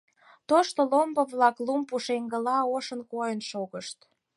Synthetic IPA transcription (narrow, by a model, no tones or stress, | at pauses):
t̪oʃt̪olombə̆βlɑklumpuʃeŋɡə̆lɑoʃə̆nkojənʃoɣəʃt̪